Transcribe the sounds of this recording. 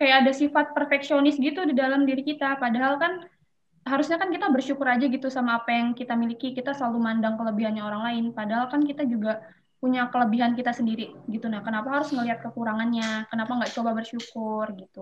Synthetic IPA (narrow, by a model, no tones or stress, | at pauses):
kajaːdasifat̪̚pərfɛksionɪsɡit̪udidalamdiɾikit̪apadaɦalkan | ɦaɾusɲakankit̪abərʃukʊɾad͡ʒaɡit̪usamaːpajaŋkit̪amilikikit̪asəlalumandaŋkələbiɦanɲaoɾaŋlaɪnpadaɦalkankit̪ad͡ʒuɡa | puɲakələbiɦankit̪asəndiɾiɡit̪unahkənapaɦaɾʊsŋəliɦat̪̚kəkuɾaŋanɲakənapaŋɡaʔt͡ʃobabərʃukʊrɡit̪u